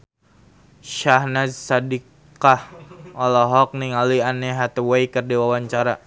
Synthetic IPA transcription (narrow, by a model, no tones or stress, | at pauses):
ʃahnadsadik | ahɔlɔɦɔk̚niŋalianɛɦat̪wejkərdiwawaɲt͡ʃaɾa